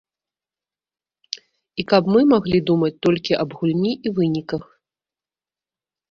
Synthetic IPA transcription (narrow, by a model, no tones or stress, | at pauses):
ikɐpmɨmaɣlʲid̪umɐt͡sʲt̪ɔlʲkʲiʔɐbɣulʲnʲiʔivɨnʲikɐx